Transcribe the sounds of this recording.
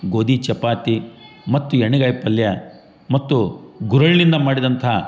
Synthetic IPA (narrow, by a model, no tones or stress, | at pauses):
ɡoːd̪it͡ʃɐpaːt̪i | mɐt̪ːueɳiɡaːjpɐljɐ | mɐt̪ːuɡuɾɐɭlind̪ɐmaːɽid̪ɐnt̪ʰɐ